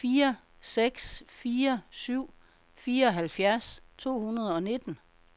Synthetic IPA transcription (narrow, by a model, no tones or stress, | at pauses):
fiːɐ | seɡ̥sfiːɐsyʊ̰ | fiːɐɒ̽ɦælfjæɐst͡sʰo̝̰ːhunɐð̞̩ˠɒ̽ne̝d̥n̩